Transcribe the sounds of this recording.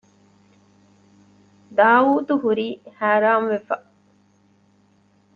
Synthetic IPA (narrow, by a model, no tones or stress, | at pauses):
d̪aːuːt̪uhuɾiːhaːɾaːmʋefɐ